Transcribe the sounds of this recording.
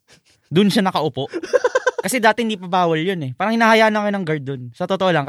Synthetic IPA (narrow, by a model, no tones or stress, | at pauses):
d̪ʊnʃanɐkɐʔʊpo̞ʔkɐsɛd̪aːt̪ɛhɪnd̪ipɐbaːwɐljonɛpaːɾɐŋhɪnaːhɐjaːʔnɐkɐjonɐŋɡaɹd̪onsɐt̪ot̪oʔo̞lɐŋ